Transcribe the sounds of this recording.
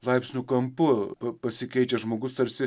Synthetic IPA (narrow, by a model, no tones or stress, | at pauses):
lˠɐɪpʲsʲnʲʊkɐmpʊpɐpɐsʲɪkʲɛɪt͡ʃʲɛʒmoːɡʊst̪ɐɾʲsʲɪ